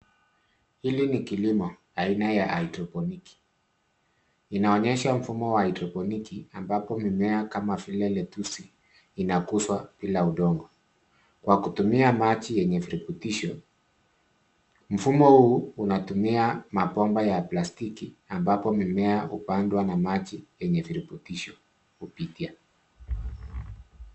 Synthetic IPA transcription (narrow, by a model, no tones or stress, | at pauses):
hilinikilimɔ | ainajaʔaitɾɔpɔniki̥ | inaɔɲɛʃam̩fumɔwaaitɾɔpɔnikiambapɔmimɛakamafilɛlɛtusi | inakuswapilauɗɔŋɡɔ | kwakutumiamat͡ʃijɛɲɛviɾiputiʃɔ | m̩fumɔhuːunatumiamapɔmbajaplastikiambapɔmimɛahupandwanamat͡ʃijɛɲɛviɾiputiʃɔ | hupitia